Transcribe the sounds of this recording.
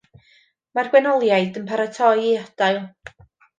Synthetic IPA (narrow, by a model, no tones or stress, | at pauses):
marɡ̥wɛnɔlˠjajdənpʰaɾatʰɔjiɔd̥ajlˠ